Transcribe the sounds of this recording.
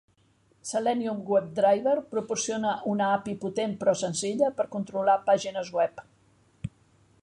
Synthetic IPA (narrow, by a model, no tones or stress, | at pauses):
salɛnjuŋɡwɛp̚d̪ɾajβeɾpɾupuɾsionəʔunəapiput̪empɾɔsənziʎəpəɾkunt̪ɾulapaʒinəzɣwɛp